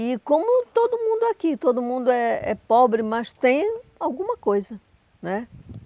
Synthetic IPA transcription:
ɪkõmʊt̪od̪ʊmũnd̪ʊakit̪od̪ʊmũd̪ʊɛɛ̰pɔbɾɪmɐst̪ẽj̃awɡũmɐkojzɐ | nɛ

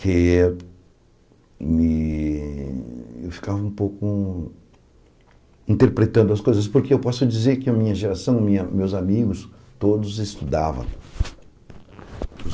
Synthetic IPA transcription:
ke | mɪ | ḛwfi̥kavɐũpowkʊ | ĩnt̪eɾpɾet̪ɐ̃nd̪ʊɐskojzɐspoɾkeewpɔsʊd͡ʒizeɾkɪɐmĩɲɐʒeɾasɐ̃w̃mĩɲɐmewzamiɡʊs | t̪od̪ʊzest̪ud̪avɐ̰̃w̃

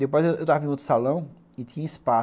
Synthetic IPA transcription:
d̪epojzewewt̪avɐĩot̪ʊ̥salɐ̃w̃ | ɪt̪ʰĩɲɐispa

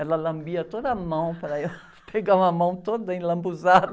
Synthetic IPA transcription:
ɛlɐlɐ̃mbiɐt̪od̪ɐːmɐ̃w̃pɾɐew | pʰeɡaũɐmɐ̃w̃t̪od̪ɐẽlɐ̃mbuzad̪ɐ

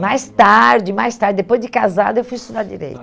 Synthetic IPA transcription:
majst̪aɾd͡ʒɪmajst̪aɾd͡ʒɪd̪epojzd͡ʒɪkaza̰d̪ɐewfujist̪ud̪ad͡ʒḭɾḛjt̪

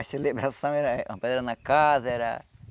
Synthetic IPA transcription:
aselebɾasɐ̃w̃ɛɾaãpɛd̪ɾanakazɛɾa̰

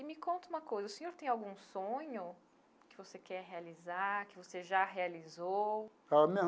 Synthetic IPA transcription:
ɪmɪkõnt̪ɐũmɐkojzɐʊsẽɲoɾt̪ẽj̃awɡũsõɲʊ | kɪvosekɛɾɦealizakɪvoseʒaɦealizow | ame

